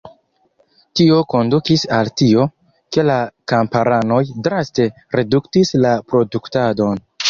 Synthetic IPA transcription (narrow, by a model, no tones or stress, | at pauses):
tio̞ko̞ndukisaltio̞ | ke̞lakampaɾano̞jdɾaste̞ | ɾeduktislapɾo̞duktado̞n